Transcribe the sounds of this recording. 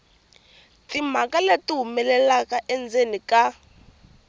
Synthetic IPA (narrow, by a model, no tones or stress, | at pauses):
tim̤akaletiɦumɛlɛlakaʔɛnd͡zenika